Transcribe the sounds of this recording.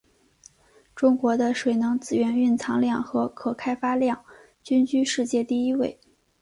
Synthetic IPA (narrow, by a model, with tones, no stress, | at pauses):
ʈ͡ʂʊ˥ŋkwɔ˧˥d̪ə˧ʂwe˨˩ɪnɤ˧˥ŋt͡sɹ̩˨˩ɥɛ˧˥ny˥˩nt͡sʰɑ˧˥ŋljɑ˥˩ŋxɤ˧˥kʰɤ˨˩kʰa˥ɪfa˥ljɑ˥˩ŋ | t͡ɕy˥nt͡ɕy˥ʂɻ̩˥˧t͡ɕjɛ˥˧t̪i˥˩i˥we˥˩ɪ